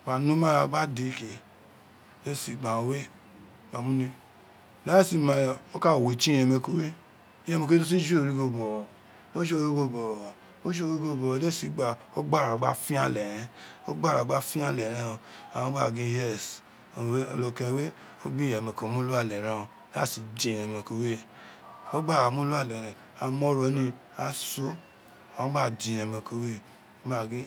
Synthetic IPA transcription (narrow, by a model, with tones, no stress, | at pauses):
ma˨nũ˦ma˦ɾa˧˨ɡ͡ba˦di˨˦ke˨˦ | le˦˨si˨ɡ͡ba˨o˨we˦ | ma˨mũ˦ni˧ | la˦si˧˦ma˨o˦ka˦˨we˨t͡ʃi˦jɛ˧me˧˨ko˨we˦ | jɛ˧me˨˧ke˦u˦s̬i˦d͡ʒu˦o˨ɾi˦ɡo˨ɡ͡bɔ˨ | o˦ʃo˦we˦ɡo˦bo˨ | o˦ʃo˦we˦ɡo˦˨bo˨˦le˦˨si˨˦ɡ͡ba˨o˦ɡ͡ba˦ɾa˨ɡ͡ba˦fi˦a˦lɛ˨ɾɛ˦o˦ɡ͡ba˦˨ɾa˨ɡ͡ba˧˦fi˦a˦lɛ˨ɾã˧a˨wã˧˦ɡ͡ba˦˨ɡĩ˦jɛ˦˨s | o˨˦o˧lo˧kɛ˧˦we˦ | o˦bĩ˦jɛ˨mɛ̃˨ko˨˦mũ˦lu˦a˦˨lɛ˨ɾã˧˦a˦˨si˨d͡ʒĩ˨ɛ˨mɛ̃˧˨ko˧we˦ | o˦ɡ͡ba˦˨a˨mũ˦lu˦a˦˨lɛ˨ɾɛ̃˨ | a˨mɔ˧˦ɾɔ˨˦nĩ˧ | a˨so˦ | a˨wã˦ba˦˨d͡ʒĩ˨ɛ˧˨mɛ̃˧˨ko˧we˦ | ba˦˨ɡĩ˦